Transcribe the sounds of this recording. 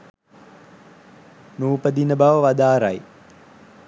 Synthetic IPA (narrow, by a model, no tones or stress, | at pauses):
nuːpəd̪inəbaʋəʋad̪aːɾaj